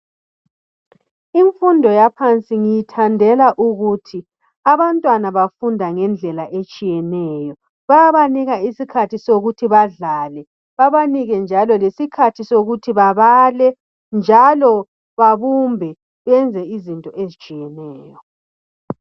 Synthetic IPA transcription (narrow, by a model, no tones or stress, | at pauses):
iɱfundʱɔjapʰant͡sʼiŋijitʰandʱɛlaʔuɣutʰi | aβantʼwanaβafundʱaŋɛnd͡ɮʱɛlaʔet͡ʃʼijɛnɛːjɔ | βajaβaniɣaisikʰatʰisoɣutʰiβaɮaːlɛ | βaβaniɣɛnd͡ʒʱalɔlesikʰatʰisoɣutʰiβaβalɛ | nd͡ʒʱalɔ | βaβumbʱɛ | βɛnd͡zʱɛizintʼɔʔezit͡ʃʼijɛnɛːjɔ